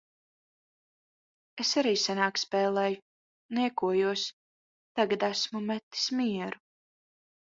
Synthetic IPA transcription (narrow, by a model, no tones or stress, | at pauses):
esaɾiːsanaːkspɛːlˠɛːju | niɛkuɔjuɔs | t̪aɡad̪æsmumɛt̪ːi̥smiɛɾu